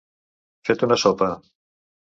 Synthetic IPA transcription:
fet̪unɐsɔpɐ

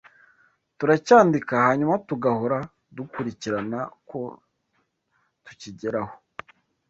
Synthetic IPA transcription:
tuɾacaːndikahaɲumatuɡahoɾa | dukuɾiciɾanako̞ | tu̥ciɟeɾaho̥

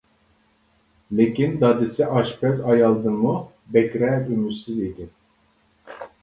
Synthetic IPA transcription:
lekʲind̪ɑd̪ɪsɛʔɑʃpɛzɑjɑlˠd̪ɨŋmu | bɛkʲɾɛymysized̪ɪ

